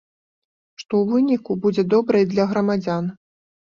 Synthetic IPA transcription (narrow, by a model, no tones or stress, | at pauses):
ʂt̪ɔwvɨnʲikubud͡zʲɛd̪ɔbɾɨjd̪lʲɐɣɾɐmad͡zʲan